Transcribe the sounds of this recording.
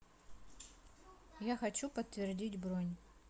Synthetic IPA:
jaxɐt͡ɕupət̪ːvʲɪrdʲitʲbɾonʲ

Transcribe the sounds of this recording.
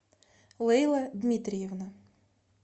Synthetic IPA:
lˠɪjlˠɐd̪mʲit̪ɾʲijɛwnɐ

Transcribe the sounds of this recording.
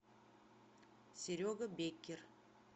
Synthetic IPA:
sʲeɾʲoɡəbekʲːer

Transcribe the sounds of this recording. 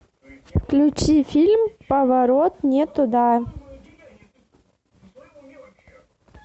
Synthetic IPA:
fklʲut͡ɕifʲilʲmpɐvɐɾot̪nʲet̪ʊd̪a

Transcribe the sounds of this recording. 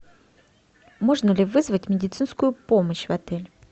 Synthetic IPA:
mo̞ʐnəlʲɪvɨzvətʲmʲɪdʲɪt̪sɨnskʊjʊpo̞məɕvɐt̪ɛlʲ

